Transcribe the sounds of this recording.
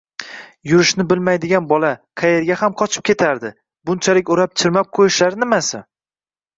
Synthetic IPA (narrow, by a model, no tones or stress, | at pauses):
jʊɾɪʃnɪbɪlmajd̪ɪɡʲanbɒlaqʰɑje̞ɾɡʲahamqʰɒt͡ʃʰɪ̥p̚kʲʰe̞t̪ʰaɾd̪ɪ | bʊnt͡ʃʰalɪkʲoɾap̚t͡ʃʰɪɾmap̚qʰojɪʃlaɾnɪmasɪ